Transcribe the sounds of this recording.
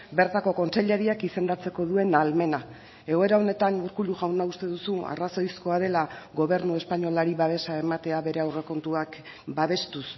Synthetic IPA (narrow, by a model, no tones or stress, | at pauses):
be̞ɾt̪ako̞ko̞nt͡se̞ʎeɾiakise̞nd̪at͡se̞ko̞ð̞ue̞nalme̞na | e̞ɣo̞e̞ɾao̞ne̞t̪aŋuɾkuluʝawnaust̪e̞ðusua̰raso̞jsko̞að̞e̞laɣo̞βe̞ɾnue̞spaɲo̞laɾiβaβ̞e̞sae̞mat̪e̞aβe̞ɾe̞awre̞ko̞nt̪uak | baβe̞st̪us